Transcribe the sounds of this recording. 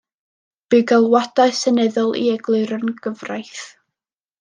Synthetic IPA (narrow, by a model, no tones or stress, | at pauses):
b̥ɨɡalˠwadaɨsɛnɛðʊlˠḭɛɡlˠɨɨɾənɡ̥əvrajθ